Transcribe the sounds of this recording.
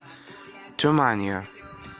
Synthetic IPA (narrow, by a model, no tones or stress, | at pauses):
tʰumanjə